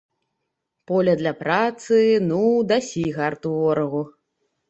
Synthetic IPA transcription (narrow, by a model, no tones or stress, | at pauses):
pɔlʲɐd̪lʲɐpɾat̪sɨnud̪asʲiɣart̪uvɔɾɐɣu